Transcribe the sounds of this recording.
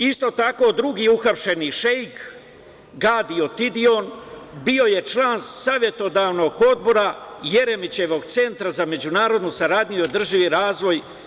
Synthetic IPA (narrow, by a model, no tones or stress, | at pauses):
ist̪o̞t̪ako̞ːd̪ɾuɡiuxapʃe̞niʃejk | ɡaːd̪io̞t̪id̪io̞nbio̞je̞t͡ʃlˠaːnsaːʋje̞t̪o̞d̪aːʋno̞ɡo̞d̪̚bo̞ɾaje̞ɾe̞mit͡ɕe̞ʋo̞ɡt̪se̞nt̪ɾazame̞d͡ʑunaːɾo̞d̪nusaɾaːd̪ʲɲujod̪r̩ʒiʋiɾaːzʋo̞j